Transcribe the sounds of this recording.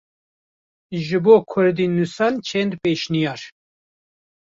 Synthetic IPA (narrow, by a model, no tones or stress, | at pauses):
ʒɨboːkʰʊɾd̪inusɑnt͡ʃʰɛnd̪peːʃnijɑːɾ